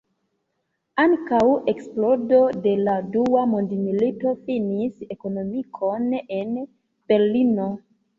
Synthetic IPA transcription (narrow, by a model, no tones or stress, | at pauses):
aŋkawe̞ksplodo̞de̞laduamondimilito̞finise̞kono̞mikʰo̞ne̞n | b̥e̞ɾlino̞